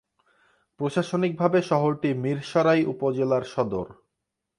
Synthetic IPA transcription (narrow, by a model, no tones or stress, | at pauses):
pɾoʃaʃonik̚bʱabeʃɔɦoɾʈimiɾʃɔɾajʔupod͡ʑelaɾʃɔd̪oɾ